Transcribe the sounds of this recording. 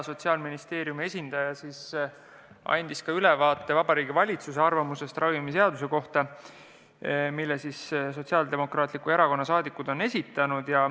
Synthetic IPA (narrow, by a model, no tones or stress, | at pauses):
so̞t̪ʲsiɑlminist̪e̞ːɾjumie̞sʲind̪̥ɑjɑsiːs | ʔɑ̰nʲd̪̥iskɑylɛvɑːt̪ːˑe̞vɑb̥ɑɾiːɡivɑlʲit̪suse̞ɑrvɑmuse̞st̪rɑvimise̞ɑd̪use̞ko̞ht̪ɑ | milːesisso̞t̪ʲsiɑld̪̥e̞mo̞krɑːt̪ːˑlikue̞ɾɑko̞nːɑsɑːd̪ikːˑud̪̥o̞ne̞sʲit̪ːˑɑnud̪̥jɑ